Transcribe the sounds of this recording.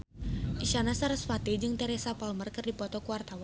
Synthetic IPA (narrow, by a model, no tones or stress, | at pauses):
ʔiʃanasaɾasfat̪id͡ʒɨŋt̪ɛɾɛsapalmərkɨrdipɔt̪ɔkuwart̪awa